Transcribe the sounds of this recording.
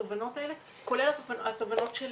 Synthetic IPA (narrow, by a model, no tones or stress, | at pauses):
ovanot̪aʔele | kolelat̪vat̪ovanot̪ʃel